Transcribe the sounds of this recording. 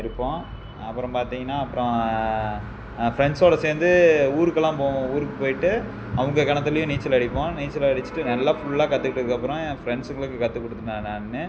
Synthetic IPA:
ɪɾɯpːõː | ɐpːɯɾɔ̃paːɾt̪iːŋɡɐnːaːɐpːɯɾɔ̃ | fɪɾɛɳsoːɽɐseːnd̪ɯuːɾɯkːɐlːãːpõuːɾɯkːɯpoːjɪʈːɯ | ɐʋɐŋɡɐkɐɳɐt̪ːɪlɐjʊ̃niːt͡ʃːɐlɐɽɪpːõːniːt͡ʃːɐlɐɐɽɪt͡ʃːɯ̥ʈːɯnɐlːaːfʊɭːlaːkɐt̪ːɯkːɪʈːɯðɯkːɐpːɯɾɔ̃fɾɛɳɖsɯŋɡɐɭɯkːɯkɐt̪ːɯkːɔɽɯt̪ːɯnaːnaːnːɯ

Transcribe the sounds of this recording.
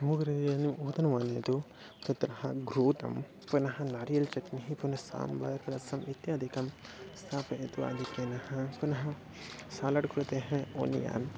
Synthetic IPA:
ɐmuɡɾejɐnimuːt̪ɐnɐmaːneːt̪u | t̪ɐt̪ɾɐɦɐɡɾuːt̪ɐ̰m | punɐɦɐnaːɾijɐlt͡ʃɐʈniɦipunɐsa̰ːmbaːjɐɾkɐɾɐsɐmʔit̪jaːd̪ʱikɐmst̪ʰaːpɐet̪ua̰ːd̪ʱikːeːnɐhɐpunɐɦɐ | saːlɐɖkɾut̪eːɦẽo̰ːnḭja̰ːn

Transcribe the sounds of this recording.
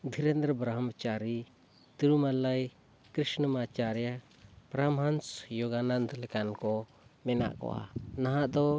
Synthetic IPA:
d̪ʱiɾɛnd̪ɾəbɾaɦamat͡ʃaɾi | t̪iɾumalaj | kɾisnəmat͡ʃaɾɛja | pɾamansjɔɡanand̪lɛkankɔ | mɛna̰ʔkɔ̰wa̰naɦaʔd̪ɔ

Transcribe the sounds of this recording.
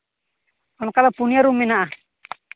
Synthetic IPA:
ɔnɔkalapuniaɾumɛnaʔa

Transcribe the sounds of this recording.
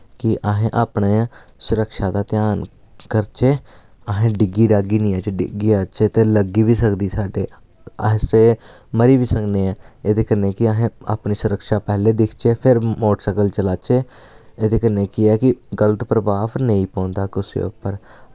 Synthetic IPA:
kɪʔaːɦẽːʔaːpnẽːsʊɾəkʃaːd̪aːt̪ɪjaːn | kəɾt͡ʃeː | aːɦẽːɖɪɡiːɾaːɡiːnĩːət͡ʃeːɖɪ̰ɡiːat͡ʃeːt̪eːləɡiːʋiːsəkd̪iːsaːɖeː | əɪseː | məɾiːʋiːsəŋɡneːãːed̪eːkəneːkɪaɦẽːa̰ːpɳiːsʊɾəkʃaːpɛːleːd̪ɪkʰt͡ʃeːpʰɪɾmoːʈsɛkəlt͡ʃəlaːt͡ʃeː | ed̪eːkəneːkɪɛːkɪɡələt̪pɾəʋaːʋnẽːĩːpɔ̃ːnd̪aːkʊsḭːo̰pːəɾ

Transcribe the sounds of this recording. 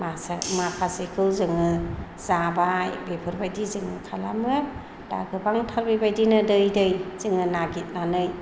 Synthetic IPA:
masamapʰasekʰɯwzɯŋɯ | z̥abajbepʰɯɾbajdizɯŋɯkʰalamɯ | d̥a̰ɡʰɯbaŋtʰaɾbibajdinɯdɯjdɯjz̥ɯŋɯnaɡit̚nanɯj

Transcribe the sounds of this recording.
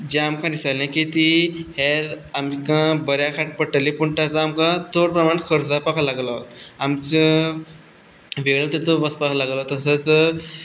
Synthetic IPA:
d͡ʑẽamkãd̪isalẽkit̪iheɾamkãbəɾjakʰaʈ̚pəʈəlĩpuɳʈat͡saamkãt̪ʰoɽpɾəmaɳkʰəɾd͡zapakʰalaɡlat̪amt͡ɕə | ʋeɭə̃t̪et̪obəspakalaɡlat̪əsət͡s

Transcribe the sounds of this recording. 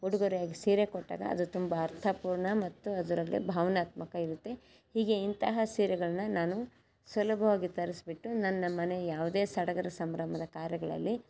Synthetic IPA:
uɽuɡoɾijaːɡisiːɾekɔʈːa̰ːɡɐ̰ɐ̰d̪ut̪umbɐːɾt̪ʰɐpuːɾɳɐmɐt̪ːuɐd̪uɾɐlːḭbʱaːʋɐnaːt̪mɐkɐiɾut̪ːe̞ | hiːɡe̞int̪ɐɦɐsiːɾɛɡɐɭɐnːɐnaːnu | sʋɐlɐbʱɐʋaːɡit̪ɐɾisbiʈːunɐnːɐmɐne̞jaːʋud̪e̞ːsɐɽɐɡɐɾɐsɐmɾɐmɐd̪ɐkaːɾjɐɡɐɭɐ̰lːi

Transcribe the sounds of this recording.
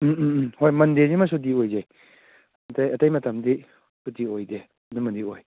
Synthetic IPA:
hojmɐndezimɐs̬ut̬iojze | ɐtɐjɐtɐjmɐtɐmdi | sutiojde | ɐdumɐndioj

